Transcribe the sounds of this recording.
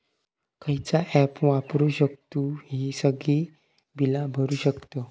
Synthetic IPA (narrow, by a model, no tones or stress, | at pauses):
kʰəɦit͡saʔɛpʋãpɾuːɕək̚t̪uɦisəɡi | bilabʱəɾuːɕəkt̪ə